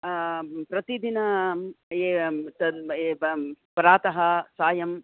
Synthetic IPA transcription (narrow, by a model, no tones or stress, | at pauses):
pɾɐt̪id̪inɐ | et̪ɐ | pɾaːt̪ɐɦɐsaːjɐm